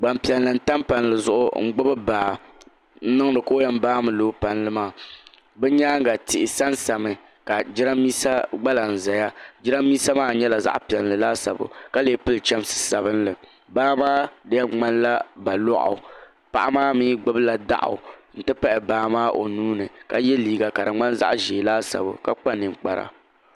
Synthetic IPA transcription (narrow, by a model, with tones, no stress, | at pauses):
ɡ͡ba˨mpi˨ɛ˨llɨ˨n̩˦ta˦mpa˨n˨lɨ˨zʊ˦ʔʊ̰˦ŋ̩˦ɡ͡bʊ˦bɨ˦baː˨ | n̩˦nɨ˦ŋ˦nɨ˨ko˦jɛ˦m˦baː˦mɨ˨lo˦pa˨nlɨ˦maː˦˨ | bɛ˦ɲaː˦ŋ˦ɡa˨tɪ˨ʔɪ˨sa˦nsa˨mɨ˨ | ka˨d͡ʒɪ˦ɾa˦mːiː˦sa˦ɡ͡ba˦la˨n̩˨za˨ja˦d͡ʒɪ˦ɾa˦mːiː˦sa˦maː˦ɲɛ˦la˨za̰˦ʔpi˨ɛ˨llɨ˨laː˦sa̰˨bʊ̰˨ka˦leː˨˦pɨ˦lt͡ʃɛ˦m˦sɨ̥˨sa˨βɨ˦nlɨ˨ | baː˦maː˦da˦ɛ˦ŋ͡ma˦nla˦ba˨lɔ˦ʔʊ̰˨ | pa̰˨ʔa˦maː˦miː˦ɡ͡bɨ˦bɨ˦la˨da̰˦˨ʔʊ̰˨n̩˨tɨ˦pa˦ʔɪ˨baː˦maː˦ʔo̰˨nuː˦nɨ˨ka˦jɛ˦liː˦ɡa˨ka˨dɨ˨ŋ͡ma˦nza̰˦ʔʒeː˨laː˦sa̰˨bʊ̰˨ka˦k͡pa˦nɨ˨ŋk͡pa˨ɾa̰˨